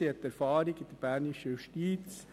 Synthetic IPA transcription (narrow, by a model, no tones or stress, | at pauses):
iɛtɛɾfɑːɾiɡɪd̥̪əb̥æːɾniʃəjuʃtiːt͡s